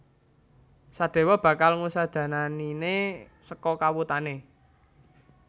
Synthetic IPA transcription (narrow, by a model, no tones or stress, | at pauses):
sad̪̥e̤wɔb̥ä̤kalŋusad̪̥ä̤naninesəkɔkawut̪ane